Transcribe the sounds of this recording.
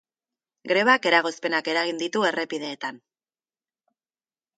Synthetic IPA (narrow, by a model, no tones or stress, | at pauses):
ɡɾe̞βake̞ɾaɣ̞o̞spe̞nake̞ɾaɣind̪it̪ue̞re̞pið̞e̞ːt̪an